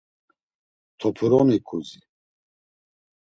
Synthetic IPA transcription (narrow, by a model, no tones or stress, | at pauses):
t̪ʰɔpʰɾɔnikʰuzi